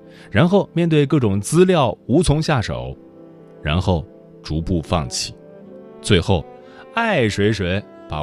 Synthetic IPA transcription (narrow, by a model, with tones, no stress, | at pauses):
ɻa˧˥nxo˥˧ʊmjɛ˥˧nt̪̬we˥˧ɪk̬ɤ˥˩ʈ͡ʂʊ˨˩ŋt͡sɹ̩˥ljɑ˥˩ʊu˧˥t͡sʰʊ˧˥ŋɕja˥˩ʂo̰˨˩˦ʊ | ɻa̰˧˥nxo˥˩ʊ | ʈ͡ʂu˧˥pu˥˧fɑ̰˥˩ŋt͡ɕʰi̥˥˨˩ | t͡swe˥˧ɪxo˥˩ʊ | a˥˩ɪʂwe˧˥ɪʂwe˧˥ɪ | pa̰˨˩